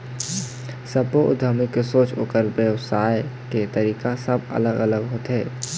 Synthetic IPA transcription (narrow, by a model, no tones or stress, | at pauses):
səpoʔʊd̪ʱəmikːesoːt͡ʃoːkəɾbəwsaːeket̪əɾiːkasəbə̰ləɡələɡɦoːt̪ɦɛː